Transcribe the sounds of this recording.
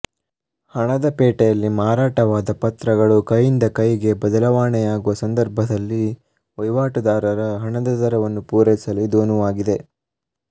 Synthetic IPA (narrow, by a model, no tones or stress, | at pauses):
hɐɳɐd̪ɐpɛːʈɛjɐlːimaːɾaːʈɐʋaːd̪ɐpɐt̪ɾɐɡɐɭukɐjːind̪ɐkɐjɡe̞bɐd̪ɐlɐʋaːɳɛjaːɡuʋɐsɐnd̪ɐɾbʱɐd̪ɐlːi | ʋɐjʋaːʈud̪aːɾɐɾɐɦɐɳɐd̪ɐzɐɾɐʋɐnːupuːɾɛsɐlid̪oːnuʋaːɡid̪e̞